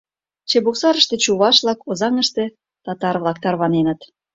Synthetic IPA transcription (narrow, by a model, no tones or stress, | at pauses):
t͡ɕeboksɑɾə̆ʃt̪ĕt͡ɕuβɑʃβlɑkozɑŋəʃt̪ĕ | t̪ɑt̪ɑrβlˠɑk̚t̪ɑrβɑnenə̆t̪